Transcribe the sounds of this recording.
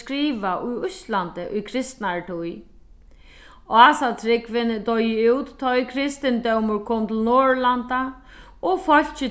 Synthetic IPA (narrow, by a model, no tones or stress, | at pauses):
kɾiːʋaʔʊjʊst̪lant̪ɪʔʊjkʰɾɪst̪naɹt̪ʰʊj | aːsat̪ʰɾɪkvɪnt̪ɔjɪuwt̪ːʰɔjkʰɾɪst̪ɪnt̪œwmʊɹkʰoːmt̪ʰɪlnɔːɹlant̪a | ɔfɔl̥t͡ʃɪ